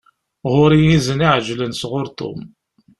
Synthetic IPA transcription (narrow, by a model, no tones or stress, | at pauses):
ʁʊɾijizəniʕʒlənsʁʊɾt̪o̰m